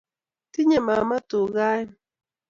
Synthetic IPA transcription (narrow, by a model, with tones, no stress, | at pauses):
t̪ɪɲama˨ma˦t̪u˨ɢa˦j